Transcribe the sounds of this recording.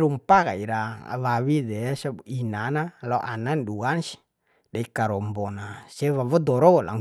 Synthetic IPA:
ɾumpaka̰iɾa̰βawidɛsainanalɔʔananduansi̥ | daikaɾɔmbɔnasɛβaβɔd̪ɔɾɔola̰ŋ

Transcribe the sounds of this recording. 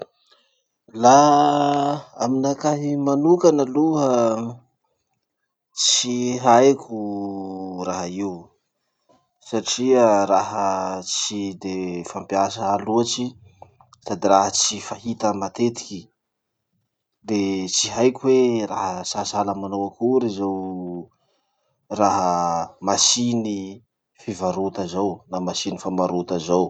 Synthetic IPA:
la | aminakaɦimanukanəluɦə | t͡siɦajkʲʰu | raɦaiu | saʈ͡ʂiəɾaɦət͡sid̪efampiasəːluaʈ͡ʂi | t̪ad̪iɾaɦət͡sifaɦit̪əmat̪et̪i̥kʲi | d̪et͡siɦajkʲuwera̰ɦəsasaləmanowakuɾizaw | raɦəmasini | fivaɾut̪azawnamasinifambaɾut̪əzaw

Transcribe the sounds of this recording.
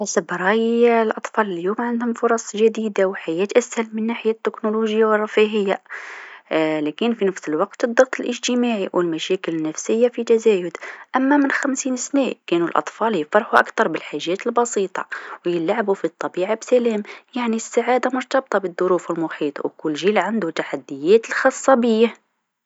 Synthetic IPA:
asəbɾˤɑjlʔɑt̪ˤfɑləljumʕənd̪hʊmfʊɾˤɑsˤʒæd̪id̪awħajæt̪ʔæshælmənːaħɪjat̪ːɪknoluʒəjːawrˤːɑfiɦəjːa | lækənfinəfsəlwɑqt̪əd̪ˤːɑɣt̪ˤəlʔəʒt̪əmaʕiwəlmæʃækələnːæfsəjːafit̪æzæjʊd̪ʔæmːamənxæmsiːnsnæʔkænulʔɑ̰t̪ˤfɑljəfɑɾˤħuʔa̰kt̪ɑɾˤbəlħaʒːæt̪əlbɑsˤit̪ˤɑ̰wjəlːʕabufit̪ˤːɑbiʕabsælæmjaʕnisːaʕad̪amʊɾt̪ɑb̚t̪ˤɑbəd̪ˤːʊɾufəlmʊħiːt̪ˤwkʊlːʒilʕand̪ut̪aħad̪ːəjæt̪əlxɑsˤːɑbəjːa

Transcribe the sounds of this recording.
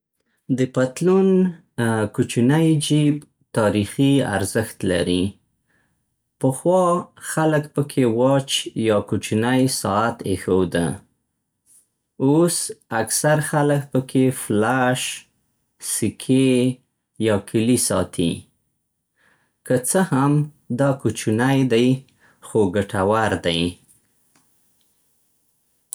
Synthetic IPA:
d̪əpat̪lun | kut͡ʃinajd͡ʒib | t̪ɑɾixia̰ɾzəxt̪la̰ɾi | pəxwɑxaləkpəkʰewɑt͡ʃjɑkut͡ʃinajsɑat̪ḛxowd̪a̰ | osaksaɾxalək̚pəkʰeflaʃ | sikʰe | jɑkʰəlisɑ̰t̪ʰḭ | kət͡səham | d̪ɑkut͡ʃunajd̪aj | xoɡaʈʰawaɾd̪aj

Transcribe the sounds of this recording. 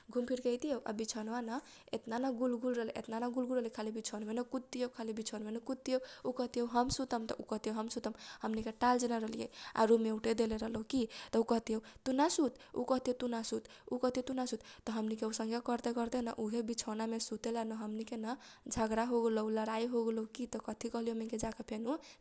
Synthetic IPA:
ɡʱumpʰiɾkət̪ijewʔa̰bit͡ʃʰənʋanə | et̪nanaɡulɡulɾəɦlʔḛt̪nanaɡulɡʱulɾəɦlikʰalibit͡ʃʰənmenəkut̪ːijowkʰalibit͡ʃʰonmenəkut̪ːiowukəɦt̪ijeɦəmsut̪əmt̪ɔ̰ʔukʌɦt̪iɦowɦəmsut̪əmhəmnikeʈald͡ʒenaɾəlijḛa̰ɾumewʈed̪eleɾəɦlokit̪ɔukəɦt̪iɦewt̪unasut̪ṵkʌɦt̪iɦet̪unasut̪ | ukəɦt̪iɦowt̪unasut̪ːɔɦəmnikeusəŋɡekəɾt̪ekəɾt̪enəʔuɦebit͡ʃʰənamesut̪elanəɦəmnikenəd͡ʒʱəɡɾaɦoɡeləuləɾaiɦoɡeloukit̪ɔkət̪ʰikʌɦlijomeked͡ʒakepʰenu

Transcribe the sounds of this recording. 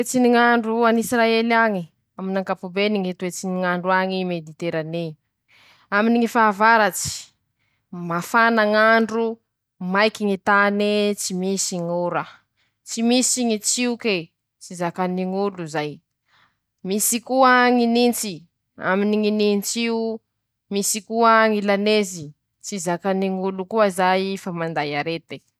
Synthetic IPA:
et͡siniŋaɳɖ͡ʐuanisɾaelaŋi | aminaŋkapubeniŋit̪uwet͡siniŋaɳɖ͡ʐuaŋimed̪it̪eɾani | aminiŋifaːvaɾat͡si̥ | mafanaŋaɳɖ͡ʐu | majkiŋit̪anet͡simisiŋuɾa | t͡simisiŋit͡siuke | t͡sizakaniŋuluzaj | misikuaŋinint͡si | a̰miniŋinint͡siu | misikuaŋilanezi | t͡sizakaniŋulukuəzajfamand̪ajaɾet̪e̥

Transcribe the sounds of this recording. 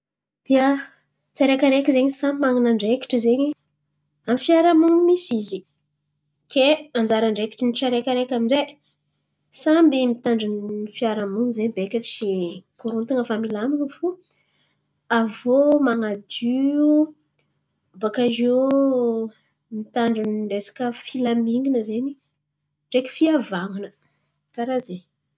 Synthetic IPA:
b̪̥ia | t͡saɾekʲaɾekizeɲisammaŋinaɳɖ͡ʐeki̥ʈ͡ʂizeɲi | amifjaɾamuŋimisizi | keand͡ʒaɾaɳɖ͡ʐeki̥ʈ͡ʂiniʈ͡ʂaɾekəɾekʲaminze | sambimit̪aɳɖ͡ʐinifiaɾamunizeɲbekʲat͡ʃikuɾunt̪uŋəfamilaminəfu | avomaŋad̪yu | bakaʒi | mit̪aɳɖ͡ʐuniɖ͡ʐesḁkəfilamiŋɡinəzeni | ɳɖ͡ʐeki̥fiavaŋunə | kaɾaze

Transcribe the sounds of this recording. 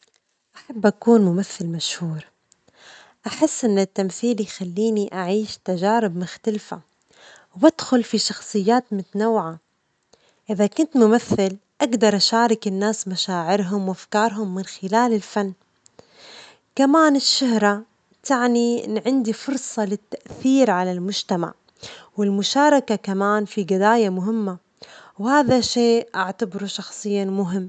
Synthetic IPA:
ʔaħabːʔakuːnmʊmaθːɪlmaʃhuːɾˤ | ʔaħɪsːʔɪnːɪt̪ːamθiːljxalːiːniʔaʕiːʃt̪aʒaːɾɪbmʊxt̪alfa̰ | wad̪xʊlfiʃɑxsˤɨjːaːt̪mʊt̪anawʕa | ʔɪðakʊnt̪mʊmaθːɪlʔaɡd̪ɑɾˤʔaʃɑːɾˤɪkɪnːaːsmaʃaːʕɪɾɦʊmwʔafkɑːɾˤɦʊmːɪnxɪlaːlɪlfanː | kamaːnɪʃːʊhɾˤa | t̪aʕniʔɪ̰nːʕɪnd̪ifʊɾsˤɑlɪt̪ːaʔθiːɾʕalalmʊd͡ʒt̪ama̰ʕ | wɪlmʊʃɑːɾˤɑkakamaːnfiɡɪd̪aːjamʊɦɪmːa | whaːðaʃeːʔaʕt̪abɾuʃɑxsˤɨjːamʊɦɪmː

